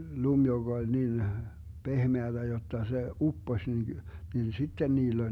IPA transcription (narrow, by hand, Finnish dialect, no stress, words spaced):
lum joɡ̊ olʲ nin pehmeæd̥æ jotːɑ se upːosʲ nin nin sitːen niːlː olʲ